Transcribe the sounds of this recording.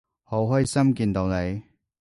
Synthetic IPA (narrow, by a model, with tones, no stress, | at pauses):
ho˨˥wɦɔː˥jsɐ˥mkiː˧nt̪o˨˧wne˨˧j